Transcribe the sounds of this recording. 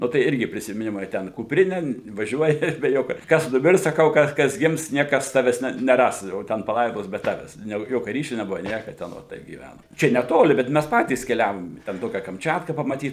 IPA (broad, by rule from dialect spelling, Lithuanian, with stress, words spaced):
ˈnʊ ˈtɐɪ ˈɪrʲɡʲɪ pʲrʲɪsʲɪmʲɪˈnʲɪmɐɪ ˈtʲɛn kʊpʲˈrʲɪnʲɛ ʋɐˈʒʲuɔjɪ bʲɛ ˈjoːkʲoː ˈkɐs nʊˈmʲɪrs sɐˈkɐʊ ˈkɐs ˈkɐs ˈɡʲɪms ˈnʲiɛkɐs ˈtɑːʋʲæːs ˈnʲɛ nʲɛˈrɐs jɛʊ ˈtʲɛn pɐˈlˠɐɪdoːs bʲɛ ˈtɑːʋʲæːs jɛʊ ˈjoːkʲɛ ˈrʲiːʃʲʊ nʲɛˈbʊʋɐ ˈnʲiɛkɐ tʲɛn ˈoːt tɐɪp ɡʲiːˈʋʲænoːm ˈt͡ʃʲɛ nʲɛˈtoːlʲɪ bʲɛt ˈmʲæs ˈpɑːtʲiːs kʲɛˈlʲæːʋoːm ɪ tʲɛn ˈtoːkʲɛ kɐmʲˈt͡ʃʲæːtkɐ pɐmɐˈtʲiːt